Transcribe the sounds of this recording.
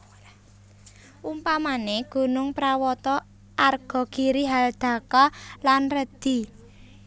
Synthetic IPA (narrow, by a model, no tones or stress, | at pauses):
ʔumpamaneɡ̥ṳnʊŋpɾawɔt̪ɔ | ʔarɡ̥ɔ̤ɡ̥i̤ɾiɦald̪̥a̤kɔlanrəd̪̥i̤